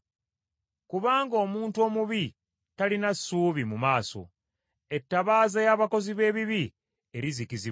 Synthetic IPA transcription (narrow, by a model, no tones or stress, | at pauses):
kuβaːŋɡo̞ːmuːntuo̞ːmuβi | talinasːuːβimumaːso̞̰ | e̞tːaβaːzajaːβako̞ziβe̞ːβiβi | e̞ɾizikizi